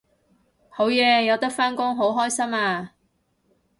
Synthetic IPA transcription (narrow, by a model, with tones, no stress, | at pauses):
ho˨˥wjɛː˨˧jɐ˨˧wt̪ɐ˥k̚faː˥nkʊ˥ŋɦo˨˥wɦɔː˥jsɐ˥maː˧